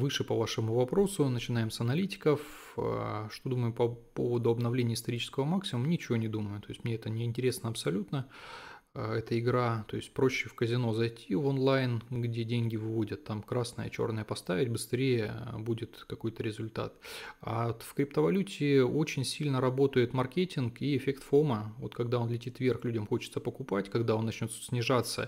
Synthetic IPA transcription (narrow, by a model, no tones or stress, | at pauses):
vɨʂɨpɐvaʂɨmʊvɐpɾo̞sʊnət͡ɕɪnajɪmsɐnɐlʲitʲɪ̥kəf | ʂt̪o̞d̪uməjʊpɐpo̞̰vəd̪ʊɐbnɐvlʲenʲɪəɪst̪ɐɾʲit͡ɕɪ̥skəvəmaksʲɪmʊmnʲɪt͡ɕɪvonʲɪd̪uməjʊt̪o̞jɪsʲtʲmnʲeɛt̪ənʲɪɪnʲtʲɪɾʲe̞snəɐpsɐlʲut̪nə | ɛt̪əɪɡɾat̪o̞ɪsʲt̚ʲpɾo̞ɕːɪfkəzʲɪno̞zɐjtʲʰivonlˠajnɡdʲe̞dʲenʲɡʲɪvɨvo̞dʲət̪ːamkɾasnə̰jə̰t͡ɕo̞̰rnəjəpɐst̪avʲɪtʲbɨst̪ɾʲejəbudʲɪt̪kɐko̞jt̪əɾʲɪzʊlʲt̪a̰t̪a̰fkɾʲɪpt̪əvɐlʲutʲɪo̞t͡ɕɪnʲsʲilʲnəɾɐbo̞t̪əjɪt̪mɐrkʲetʲɪnkiɪfʲekt̪fo̞məvo̞̰t̪kɐɡd̪ao̞nlʲɪtʲit̪vʲe̞rxlʲudʲəmxo̞t͡ɕɪ̥t̪səpəkʊpatʲkɐɡd̪aonːɐt͡ɕnʲo̞t̪sʲnʲɪʐat̪sːə̰